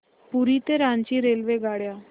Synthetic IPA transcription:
puɾit̪eɾãnt͡ɕiɾeːlʋeɡaːɽjaː

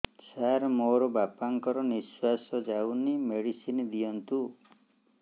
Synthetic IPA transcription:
saɾmoɾɔbapaŋkɔɾɔniswasɔd͡ʒawnimeɽisind̪ijɔnt̪u

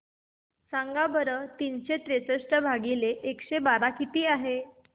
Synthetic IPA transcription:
saŋɡabəɾət̪inɕet̪ɾet͡səʂʈəbʱaɡileʔekɕebaɾakit̪iːaɦe

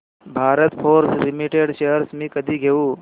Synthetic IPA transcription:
bʱaːɾət̪pʰoːɾslɪmiʈeːɖʃeɦəɾsmẽkɐd̪iɡʱeːu

